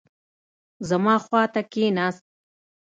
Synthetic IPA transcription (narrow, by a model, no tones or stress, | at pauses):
zamɑːxwɑːt̪akenɑːst̪̚